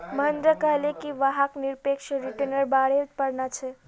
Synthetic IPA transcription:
məɦənd̪ɾəkəɦlekiʋaɦakniɾpekʃɾiʈənəɾbaɽepəɾnat͡ʃʰɛ

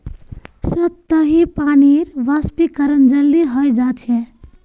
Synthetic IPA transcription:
səb̚t̪əɦipaniɾʋaspikəɾənd͡ʒəlːiɦəjd͡ʒat͡ʃʰɛ

